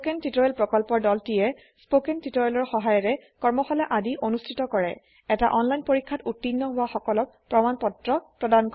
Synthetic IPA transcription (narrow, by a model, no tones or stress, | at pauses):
skentitɔɛlpɹɔkɔlpɔɹdɔltiɛ | spokɛntitɔɹɛlɔɹxɔɦajɔɹɛkɔɹmɔxɔlɛʔadiʔonustʰitɔkɔɹɛ | ɛtaʔɔnlajnpoɹikʰːatutːinːɔɦʊwaxɔkɔlɔk̚pɹɔmanpɔtɹɔpɹɔdank